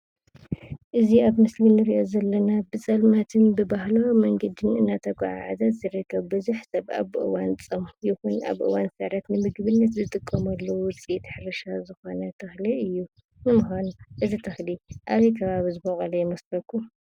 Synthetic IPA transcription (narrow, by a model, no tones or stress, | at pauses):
ʔɨziaβmɨslinɨɾiʔozɐlːɐnabɨt͡sʼɐlmat̪ʰɨnbɨbahlɐwmɐŋɡɐd̪ɨnɨnːat̪ʰɐkʷʼa̰ʕa̰ʕazɐt̪z̥ɨɾɨkʰːɐβbɨzuħsɐβa̰βʔɨwant͡sʼɐmjɪxuna̰βʔɨ̰wansɐɾat̪nɨmɨɡβɨnːɐt̪zɨt̪ʼɨkʼːɐmɐlːɐwwʊt͡sʼit̪ʰħɾɐʃazɨxonɐt̪ʰɐxliʔɨjːu | nɨmuxʷanuʔɨzit̪ʰɐxliʔaβɐjkʰɐβaβizɨbɐχʼɐlɐjɪmɐskɐkʰːu